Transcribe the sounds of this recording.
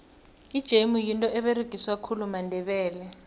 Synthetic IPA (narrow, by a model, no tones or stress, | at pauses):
id̥ʒ̥ʱemujintʼɔɛɓeriɡ̥ʱiswakʰulumandʱɛɓɛːlɛ